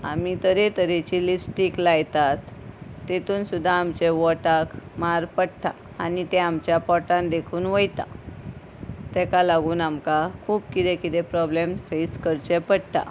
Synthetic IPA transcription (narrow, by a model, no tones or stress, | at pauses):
a̰mit̪əɾet̪əɾet͡ɕilisʈiklajt̪at̪ːet̪uːnsud̪ʱːaːmt͡ɕeʋɔʈakmaɾpəɽʈ̪a | anit̪ɛamt͡ɕjapɔʈãnd̪ekʰuːnʋəjt̪a̰ | t̪ɛkalaɡuːnamkakʰuːpkit̪ekit̪epɾɔblemsfeskəɾt͡ɕepəɽʈ̪a̰